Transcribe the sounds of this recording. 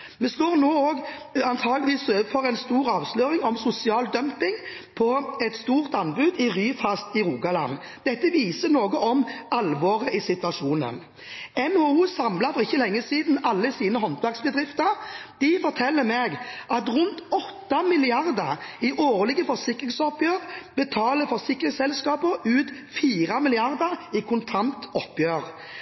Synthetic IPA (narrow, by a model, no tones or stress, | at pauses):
mɛst̪oːʁnoːoːɡɑnt̪ʰɑːɡlɪʋiːsøːəfɔʁɛnst̪uːʁɑːʋsløːɾɪŋɔmsʊsɪɑːld̪œmpɪŋpʰɔɛt̪st̪uːʁt̪ɑnbʉd̪ɪʁyːfɑst̪ɪɾuːɡɑlɑ̰n | d̪ɛt̪ːəʋiːsənoːɡəɔmɑlʋoːʁəɪsɪt̪ʋɑʂuːnə̰n | ɛnhouːsɑmlɑfɔʁɪçːəlɛŋːəsiːd̪n̩ɑlːəsiːnəɦɔnt̪ʋæʁksbəd̪ʁɪft̪əɾd̪̥ɪfɔʁt̪ʰɛlːəmeːɡʔɑt̪ʁʉnt̪ɔt̪ːɑmɪlɪɑʁd̪əʁɪʔoːʁlɪɡəfɔsɪkːʁɪŋsɔpjøːʁbət̪ʰɑːləfɔsɪkːʁɪŋsɛlskɑːpəʉːt̪ | fiːʁɑmɪlɪɑʁd̪əʁɪkʰʊnt̪ʰɑnt̪ɔpjøːʁ